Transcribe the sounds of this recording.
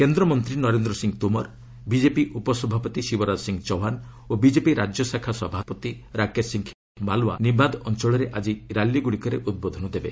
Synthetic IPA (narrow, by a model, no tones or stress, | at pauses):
kend̪ɾɔmɔnt̪ɾinɔɾend̪ɾɔsiŋɡt̪umɔɾ | bid͡ʒepiʔupɔsɔbʱapɔt̪isibɔɾadsiŋɡt͡ʃɔɦan | obid͡ʒepiɾad͡ʒjɔsakʰasɔbʱapɔt̪iɾakesiŋkʰ | balua̰nibad̪ɔnt͡ʃɔɭɔɾeʔad͡ʒiɾalːiɡuɽikɔɾeʔud̪̚bod̪ʱɔnɔd̪ebe